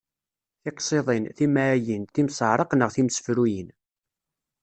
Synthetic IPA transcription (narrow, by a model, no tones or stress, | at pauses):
θɪqsˤeðˤenθimajənt̪imsəʕɾˤəqnəʁθimsə̥fɾujən